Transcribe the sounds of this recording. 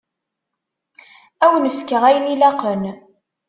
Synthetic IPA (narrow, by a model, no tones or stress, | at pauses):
æwnəfkəʁæjənilɑqən